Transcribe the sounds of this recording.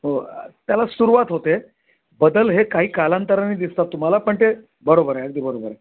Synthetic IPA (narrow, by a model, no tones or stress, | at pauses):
ɦot̪jalasuɾuʋat̪ɦot̪e | bəd̪əlɦekaɦiːkalãnt̪əɾaniːd̪ist̪at̪ːum̤alapəɳt̪e | bəɾobəɾaəɡ̚d̪iːbəɾobəɾa